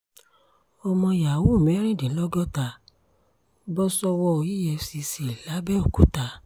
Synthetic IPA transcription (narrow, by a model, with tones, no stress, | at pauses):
ɔ˧mɔ̃˧ja˨wu˦˨mɛ˨˦ɾ̃ĩ˦˨dĩ˨˦lɔ˦ɡɔ˦ta˧ | bɔ˦sɔ˧wɔ˧o˧˨ji˦jɛ˧si˧si˨la˨˦bɛ˦o˦˨ku˨˦ta˧